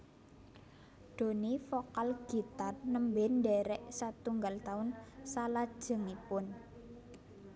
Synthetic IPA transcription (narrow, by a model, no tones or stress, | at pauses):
ɖ̪̥o̤nifokalɡ̥i̤t̪arnəmbɛnɖɛɾɛʔsat̪uŋɡalt̪aʊnsalad̥ʒ̥ə̤ŋipʊn